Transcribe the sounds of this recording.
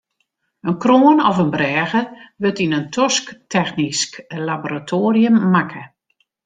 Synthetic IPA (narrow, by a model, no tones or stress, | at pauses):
ənkroːənɔfənbrɛːɣəʋøtinəntʰɔsktɛxnisklaboɾatʰoːriəmːakʰə